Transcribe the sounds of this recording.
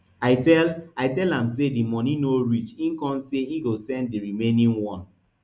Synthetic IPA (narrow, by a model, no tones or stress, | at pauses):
aɪtɛlaɪtɛlãmsedimɔnĩnoɹit͡ʃĩŋ̩kɔ̃nseiɡosɛ̃nddiɹimenĩnwɔ̃n